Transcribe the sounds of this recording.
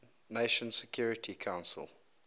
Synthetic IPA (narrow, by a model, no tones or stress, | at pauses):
neɪʃə̃nsɛkʰj̥uːɹɪtʰikʰãʊ̃nsə̰lˠ